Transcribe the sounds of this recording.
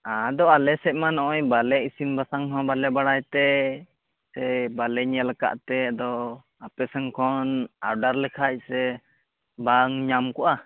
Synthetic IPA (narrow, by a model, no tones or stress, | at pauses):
ad̪ɔalɛsɛc̚ˀmanɔʔɔjbalɛʔisimbasaŋɔ̃balɛbaɽajt̪ɛ | sɛbalɛɲɛlaka̰ʔt̪ɛd̪ɔ | apɛsɛŋkʰɔna̰ɾɖaɾlɛkʰac̚sɛ | baŋɲamkɔʔa